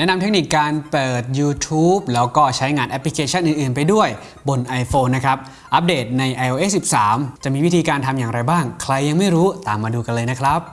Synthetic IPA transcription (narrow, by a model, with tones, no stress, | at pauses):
nɛ˦˥na˧mt̪ʰe˦˥k̚niː˨˩k̚ːaː˧npɤː˨˩t̪̚juː˧t̪ʰuː˦˥p̚lɛː˦˥wkɔː˥˩t͡ɕʰa˦˥jŋaː˧nʔɛ˦˥pʰli˧˥kʰeː˧˥t͡ɕʰa˥˩nʔɯː˨˩nʔɯː˨˩npa˧jdu˥˩əj | bo˧nʔa˧jfoː˧nːa˦˥kʰɾa˦˥p̚ | ʔa˦˥p̚deː˨˩t̪̚na˧jʔa˧jʔoː˧ʔeː˦˥si˨˩p̚saː˩˦mt͡ɕa˨˩ʔmiː˧wi˦˥t̪ʰiː˧kaː˧nt̪ʰa˧mjaː˨˩ŋɾa˧jbaː˥˩ŋkʰɾa˧jːa˧ŋma˥˩jɾuː˦˥t̪aː˨˩mːaː˧duː˧ka˧nlɤː˧jna˦˥kʰɾa˦˥p̚